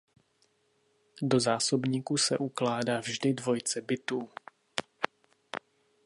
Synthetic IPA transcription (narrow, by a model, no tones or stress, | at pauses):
do̞zaːso̞bɲiːkusɛʔuklaːdaːvʒdɪdvo̞jt͡sɛbɪt̪uː